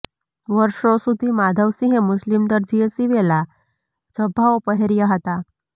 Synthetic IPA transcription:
ʋəɾʂosud̪ʱiːmad̪ʱəʋsĩɦẽmuslimd̪əɾd͡ʑiesiʋela | d͡zəbʱaʋpəɦeɾijaɦət̪a

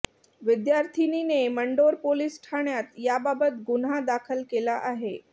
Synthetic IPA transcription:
ʋid̪jaɾt̪ʰinineməɳɖoɾpolisʈʰaɳjat̪jababət̪ɡunɦad̪akʰəlkelaʔaɦe

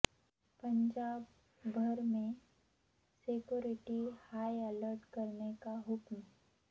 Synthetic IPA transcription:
pɐ̃ɲd͡ʒaːbːʱ | ɐɾmẽ | sekjoːɾɪʈihaːjələɾʈkɐɾnekaɦʊkm

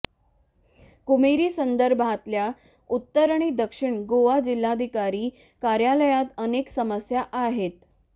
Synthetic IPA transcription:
kumiɾiːsənd̪əɾbʱat̪lja | ut̪ːəɾaɳ̃id̪əkʂiɳɡoʋad͡ʑilːad̪ʱikaɾiː | kaɾjaləjat̪əneksəməsjaʔaɦet̪

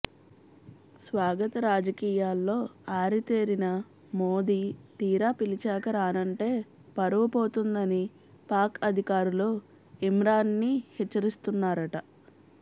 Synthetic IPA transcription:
sʋaːɡɐt̪ɐɾaːd͡ʒɐkiːjaːlːo̞ːaːɾit̪eːɾinɐ | mo̞ːd̪iːt̪iːɾaːpilit͡ʃaːkɐɾaːnɐɳʈe̞ː | pɐɾɐʋɐpo̞ːt̪und̪ɐni | paːɾkɐd̪ʱikaːɾulo̞ː | imɾaːnːihɛt͡ʃːɐɾist̪unːaːɾɐʈɐ

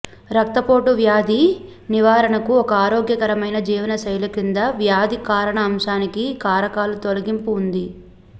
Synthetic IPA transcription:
ɾɐk̚t̪ɐpo̞ːʈuʋjaːd̪iniʋaːɾɐɳɐkuɔkɐaːɾoːɡjɐkɐɾɐmɐjnɐd͡ʒiːʋɐnɐsɐjlukind̪ɐʋjaːd̪ikaːɾɐɳɐːmʃaːnikikaːɾɐkaːlut̪olɐɡimpuːnd̪i

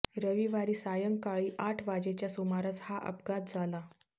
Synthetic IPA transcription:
ɾəʋiʋaɾiːsajəŋkaɭiːʔaʈʰʋad͡ʑet͡ɕjasumaɾat͡shaʔə̰pɡat̪̚d͡zʱala

